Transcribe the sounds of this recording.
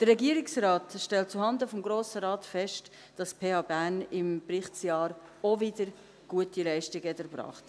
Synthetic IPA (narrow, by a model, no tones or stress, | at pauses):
d̥ərːɛɡiːəɾɪksrɑːtʃtɛlt̚t͡suhɑndəfɔmɡɾoːsəɾɑːtfɛʃt | d̥ɑspʰeːhɑːbænɪmprɪχtsjɑːɾ | ovɪdəɾ | ɡ̥uətilɛɪʃtɪɡəɛtəɾbɾɑ̰ːχt